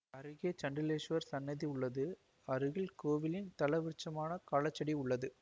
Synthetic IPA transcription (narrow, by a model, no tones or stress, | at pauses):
ɐɾɯɣeːt͡ʃɐɳɖɪleːʂʋɐɾsɐnːɐðiʊɭːɐðɯ | ɐɾɯɣɪlkoːʋɪlɪnt̪ɐlɐʋɪɾt͡ʃːɐmaːnɐkaːlɐt͡ʃːɐɽiʊɭːɐðɯ